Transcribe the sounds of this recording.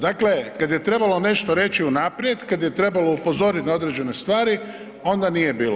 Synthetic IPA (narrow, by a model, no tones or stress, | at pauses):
d̪aklekad̪je̞t̪ɾe̞balˠo̞ne̞ʃt̪oɾe̞t͡ʃiunaːpɾje̞d̪kad̪je̞t̪ɾe̞balo̞upo̞zo̞ɾit̪nao̞d̪ɾe̞d͡ʑe̞ne̞st̪ʋaːɾi | o̞nd̪anije̞biːlo